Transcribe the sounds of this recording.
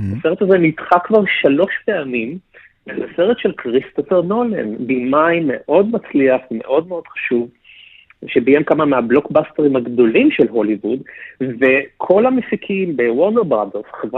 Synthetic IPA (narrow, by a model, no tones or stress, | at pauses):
aseʁet̪azenitχakvaʁʃalo̞ʃpeamim | ezaseʁet̪ʃelkʁist̪ofeʁnolḛnbimajmeʔo̞dmat͡sliaχme̞̰ʔo̞d̚meo̞d̥̪χḁʃuv | ʃebiemkamameablo̞kbast̪eʁimhaɡd̪o̞limʃelɦo̞livudve̞kʰo̞lhamesikʰimbewoʁneʁbʁad̪eʁsχevʁ